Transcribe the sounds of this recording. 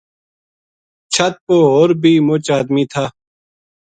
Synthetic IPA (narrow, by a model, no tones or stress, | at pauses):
t͡ʃʰɐt̪̚poɦoːɾbʱiːmʊt͡ɕaːd̪miːt̪ʰaː